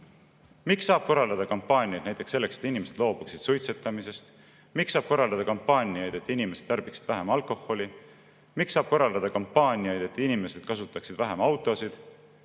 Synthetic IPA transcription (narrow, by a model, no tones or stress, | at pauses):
mikssɑːb̥ko̞rːɑld̪ɑd̪̥ɑkɑmpːɑːnʲiɑjd̪næjt̪e̞kse̞lːe̞kset̪inime̞se̞d̪lo̞ːb̥uksid̪̥sujt̪set̪ːˑɑmise̞st̪ | miksːɑːb̥ko̞rːɑld̪ɑd̪̥ɑkɑmpːˑɑːnʲiɑjd̪̥e̞t̪ːˑinimese̞d̪̥̚t̪ɑrb̥iksi̥d̥̪væɦe̞mɑlkˑo̞ho̞li | miksɑːb̥ko̞rːɑld̪ɑd̪̥ɑkɑmpːˑɑːnʲijɑjd̪̥e̞t̪ːinime̞se̞d̪̥̚kɑsut̪ːˑɑksid̪væɦemɑwt̪ˑo̞sid̪̥